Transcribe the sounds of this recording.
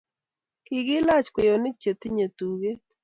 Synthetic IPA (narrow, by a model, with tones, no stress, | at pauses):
kɪ˨ɡɪ˦la˦t͡ʃkwe˨jo˨nɪ˦t͡ʃe˨t̪ɪ˦ɲe˨t̪u˨ɡe˦